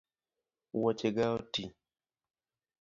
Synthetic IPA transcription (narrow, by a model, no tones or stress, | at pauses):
wɔt͡ʃeɡaoti